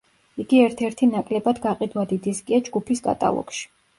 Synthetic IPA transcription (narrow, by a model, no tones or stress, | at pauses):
iɡiɛɾt̪ʰɛɾt̪ʰinakʼlɛbad̪ɡaqʼid̪wad̪id̪iskʼiad͡ʒɡupʰiskʼa̰t̪ʼa̰lˠɔ̰kʃi̥